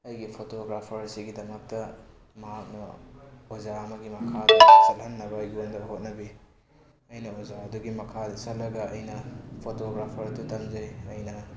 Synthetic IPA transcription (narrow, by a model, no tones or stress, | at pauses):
ɐjɡipʰotoɡɾapʰɐɾsiɡidɐmɐk̚tɐ | mɐɦak̚nɐozaɐmɐɡimɐkʰadɐsɐlhɐnːɐbajɡiondɐɦot̚nɐbi | ɐjnɐozaɐduɡimɐkʰadɐsɐt̚lɐɡɐɐjnɐpʰotoɡɾapʰɐɾdutɐmzɐjɐjnɐ